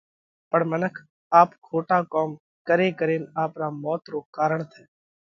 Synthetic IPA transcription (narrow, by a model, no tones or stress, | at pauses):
pəɳmənəkʰ | aːpkʰoːʈaːkɔːm | kəɾeːkəɾeːnaːpɾaːmɔːt̪ɾoːkaːɾəɳt̪ʰɛː